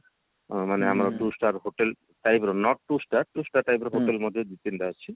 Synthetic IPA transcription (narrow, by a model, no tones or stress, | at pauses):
maneamɾaʈusʈaɾɦoʈel | ʈajbɾɔnɔʈ̚ʈusʈaʈusʈaɾʈajbɾɔɦoʈ̪elmɔd̪ʱːjed̪it̪int̪at͡ʃʰi